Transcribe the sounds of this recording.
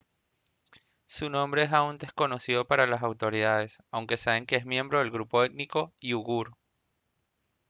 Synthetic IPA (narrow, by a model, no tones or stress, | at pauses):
sunõ̞mbɾe̞esaund̪e̞sko̞no̞siðo̞paɾalasawt̪o̞ɾiðaðe̞sawŋke̞saβe̞ŋke̞ezmje̞mbɾo̞ðe̞lɣɾupo̞et̪̚niko̞iuɣuɾ